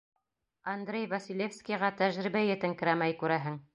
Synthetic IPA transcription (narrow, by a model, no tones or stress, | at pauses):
ɐnd̪ɾʲejvɐsʲilʲefskʲijʁɑt̪æʒɾibæjɘ̆t̪ɘŋkɘ̆ɾæmæjkʉɾæɦɘŋ